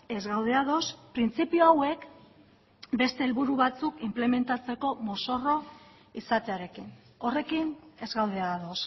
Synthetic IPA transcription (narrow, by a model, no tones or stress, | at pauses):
e̞zɣawðe̞aðospɾint͡sipioawe̞k | be̞st̪e̞ːlβuɾuβat͡sukimple̞me̞nt̪at͡se̞ko̞mo̞so̞ro̞ | isat̪e̞aɾe̞kin | o̞re̞kine̞zɣawð̞e̞aðo̞s